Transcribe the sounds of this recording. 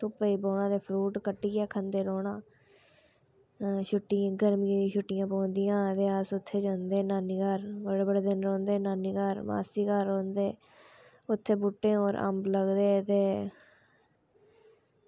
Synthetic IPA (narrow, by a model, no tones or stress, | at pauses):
t̪opəiːboːɳãːd̪eːpʰɾuːʈkəʈːiːɡaːkʰənd̪eːɾoːɽãː | ʃʊʈːɪjãːɡəɾmijãːʃʰʊʈːɪjãːpoːnd̪ɪjãːt̪eːasʊt̪ʰːeːd͡ʒãːnd̪eːnaːniːkəɾbəɽeːbəɽeːd̪ɪnɾõːnd̪eːnaːniːkəɾma̰ːsiːkəɾːõːnd̪eː | ʊt̪ʰːeːbʊʈːẽːoːɾʔə̰mbləɡd̪eːt̪eː